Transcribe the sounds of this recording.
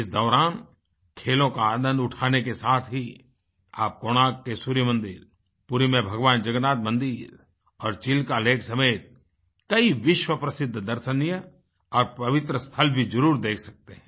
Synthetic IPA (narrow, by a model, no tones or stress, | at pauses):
ɪsd̪ɔːɾaːn | kʰeːlõkaːd̪ə̃nʊʈʰaːnekesaːt̪ʰɦi | a̰ːp̚koːɽ̃aːkːesuɾijəmə̃nd̪ɪɾ | pʊɾimẽbʱɐɡʋaːnd͡ʒɐɡnaːt̪̚mə̃nd̪iːɾ | ɔːɾt͡ʃɪlkaleːkʰsɐmeːt̪̚ | kɐiʋɪʃwəpɾɐsɪd̪ʱːd̪ɐɾʃənijə | ɔːɾpɐʋɪt̪ɾəst̪ʰəlbʱid͡ʒɐɾuːɾd̪eːkʰsɐk̚t̪eɦɛ̃